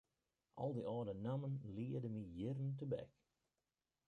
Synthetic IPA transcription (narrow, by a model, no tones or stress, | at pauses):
ʔɔ̰lˠdiʔɔːdənamənliədəmijɪɾəntəbɛ̰k